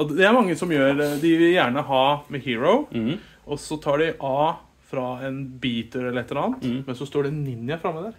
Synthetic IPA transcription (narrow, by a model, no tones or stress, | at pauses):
d̪d̪ɛæɾmɑŋːəsɔmjøːɾd̪ɪʋɪljæːɳəɦɑːmɛhiːɹɔʊ | ʔɔsɔt̪ʰɑːɖɪʔɑː | fɾɑɛnbiːt̪əlɛlːəɾɛt̪ːəɾɑːnt̪mɛnsɔst̪oːɖɛnɪnːɪəfɾɑmːəd̪æɾ